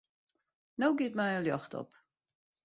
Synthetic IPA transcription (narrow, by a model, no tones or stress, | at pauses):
nowɡɪt̚mɛjəljɔxtɔ̰p